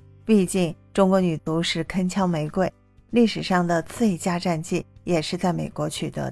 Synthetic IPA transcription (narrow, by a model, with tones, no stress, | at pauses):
pi˥˧t͡ɕi˥˩ŋʈ͡ʂʊ˥ŋkwɔ˧˥ny˨˩t͡su˧˥ʂɻ̩˥˩kʰə˥nt͡ɕʰjɑ˥ŋme˧˥ɪkwe˥˩ɪ | li˥˩ʂɻ̩˨˩ʂɑ˥˩ŋd̪ə˩t͡sɹe˥˩˧t͡ɕja˥ʈ͡ʂa˥˧nt͡ɕi˥˩jɛ˨˩ʂɻ̩˥˧t͡sa˥˩ɪme˨˩ɪkwɔ˧˥t͡ɕʰy˨˩t̪ɤ̰˧˥